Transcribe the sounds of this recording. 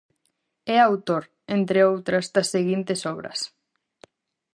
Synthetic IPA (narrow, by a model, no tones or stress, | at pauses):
ɛawt̪oɾ | ent̪ɾeowt̪ɾɐzd̪ɐsːeɣint̪esɔβɾɐ̰s